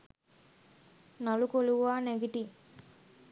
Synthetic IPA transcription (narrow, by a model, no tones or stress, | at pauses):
nɐlukoluʋaːneɡiʈi